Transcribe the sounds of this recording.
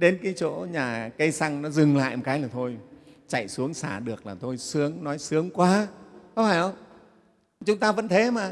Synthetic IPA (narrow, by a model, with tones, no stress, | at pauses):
ɗe˨˦nkaː˨˦jt͡ɕo̰˧˥ɲaː˨˩kə˧jsa˧ŋnɔ˨˦zɨ˨˩ŋla̰ː˧˨jmo˨˩kaː˨˦jlaː˨˩t̪ʰo˧j | t͡ɕa̰˧˨jsu˨˦əŋsaː˧˩ɗɨ˨˩ək̚laː˨˩t̪ʰo˧jsɨ˨˦əŋnɔ˨˦jsɨ˨˦əŋkwaː˨˦kɔ˨˧˦ŋ͡mfaː˧˩jʔə˧wŋ͡m | t͡ɕʊ˨˦ŋ͡mt̪aː˧və̰˧˥nt̪ʰe˨˦maː˨˩